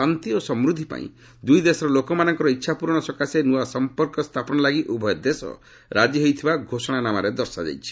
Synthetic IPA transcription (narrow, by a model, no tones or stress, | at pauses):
ant̪iosɔmɾud̪ʱːipa̰ḭ̃ | d̪ujd̪esɔɾɔlokɔmanɔŋkɔɾɔitːʃʰapuɾɔɽ̃ɔsɔkasenuasɔmpɔɾkɔst̪ʰapɔnɔlaɡiʔubʱɔjɔd̪esɔ̰ | ɾad͡ʒiɦojt̪ʰibaɡʱosɔɽ̃anamaɾed̪ɔɾsad͡ʒa̰jt͡ʃʰi̥